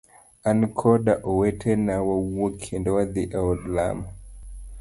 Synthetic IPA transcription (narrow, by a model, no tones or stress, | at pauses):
ankʰɔdaʔowetʰenawawokʰindwaðiʔɛwdla̰ma